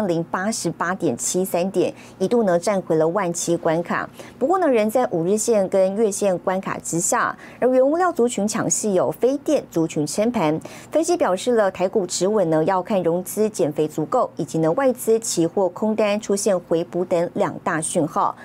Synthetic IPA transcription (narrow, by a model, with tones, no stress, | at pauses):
ŋli˧˥ŋpa˥ʂɻ̩˧˥pa˥t̪jɛ˨˩nt͡ɕʰi˥sa˥nt̪jɛ˨˩˦n | i˧˨˥t̪u˥˩nɤ˧˥ŋʈ͡ʂa˥˩nxwe˧˥ɪlə˧wa˥˩nt͡ɕʰi˥kwa˥nkʰa̰˨˩pu˧˥kwɔ˥˩nə˨ɻə˧˥nt͡sa˥˩ɪʔu˨˩ɻɻ̩˥˧ɕjɛ˥˩nkə˥nɥɛ˥˧ɕjɛ˥˩nkwa˥nkʰa̰˨˩ʈ͡ʂɻ̩˥ɕja̰˥˩ | ə˞˧˥ɥɛ˧˥nu˥ljɑ˥˩ʊt͡su˧˥t͡ɕʰy˧˥nt͡ɕʰjɑ̰˨˩ŋɕi˥˩jo˨˩ʊfe˥ɪt̪jɛ˥˩nt͡su˧˥t͡ɕʰy˧˥nʈ͡ʂʰɛ˥npʰa˧˥n | fə˥nɕi˧˥pjɑ˨˩ʊʂɻ̩˥˩lə˨t̪ʰa˧˥ɪku˨˩ʈ͡ʂɻ̩˧˥wə˨˩nnə˧˦jɑ˥˧ʊkʰa˥˩nɻʊ˧˥ŋt͡sɹ̩˥t͡ɕjɛ˨˩nfe˧˥ɪt͡su˧˥ko˥˩ʊi˨˩t͡ɕi˧˥nə˧wa˥˩ɪt͡sɹ̩˥t͡ɕʰi˧˥xwɔ˥˩kʰʊ˥ŋt̪a˥nʈ͡ʂʰu˥ɕjɛ˥˩nxwe˧˥ɪpu˧˥t̪ə˧˥ŋljɑ̰˨˩ŋt̪a˥˧ɕy˥˧nxɑ˥˩ʊ